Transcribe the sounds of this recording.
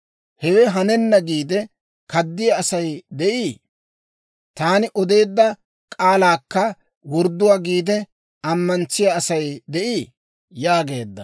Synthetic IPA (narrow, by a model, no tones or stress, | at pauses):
hɛwɛɦɐnɛnːɐɡiːd̪ɛ | kɐd̪ːɪjaːsɐjd̪ɛʔiː | t̪aːnɪʔɔd̪e̞ːd̪ːɐ | kʼaːlaːkːɐ | wɔɾd̪ːʊwaːɡiːd̪ɛ | ɐmːɐnt͡sːɪjaːsɐjd̪ɛʔi | jaːɡe̞ːd̪ːɐ̰